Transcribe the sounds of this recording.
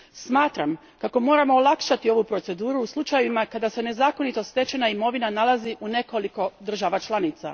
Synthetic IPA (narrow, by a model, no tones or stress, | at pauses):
smaːt̪ɾam | kako̞mo̞ːɾamo̞ːlˠakʃat̪io̞ʋupɾo̞t̪se̞d̪uːɾuːslˠut͡ʃajʋimakad̪ase̞ne̞zaːko̞nit̪o̞st̪e̞t͡ʃenaimo̞ʋinanalaziʔune̞ko̞liko̞d̪r̩ʒaʋat͡ʃlˠanit̪sa̰